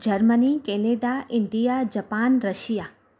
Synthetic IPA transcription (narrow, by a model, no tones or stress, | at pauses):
d͡ʒəɾmənikeneːɖaʔɪɳɖijad͡ʒɐpaːnɾəʃija